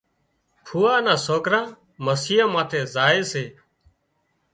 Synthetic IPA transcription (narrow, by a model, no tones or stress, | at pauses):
pʰuːaːnãːsoːkɾãː | məsiːãːmãːt̪ʰeːzaːeːseː